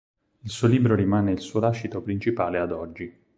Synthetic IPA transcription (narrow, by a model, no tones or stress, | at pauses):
ilsuːoliːbɾoɾimaːneilsuːolaʃːit̪opɾint͡ʃipaːlead̪ɔd͡ʒːi